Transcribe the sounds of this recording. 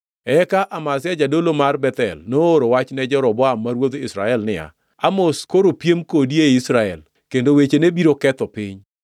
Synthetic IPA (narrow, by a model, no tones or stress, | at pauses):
ɛkaʔamasɪad͡ʒadolomarbɛt̪ɛlnooɾowat͡ʃnɛd͡ʒɔɾɔbɔamːaɾwod̪ɪsɾa̰ɛlnɪa̰ | amoskoɾopjemkodieisɾaɛl | kendowet͡ʃenebiɾokɛt̪ɔpɪɲ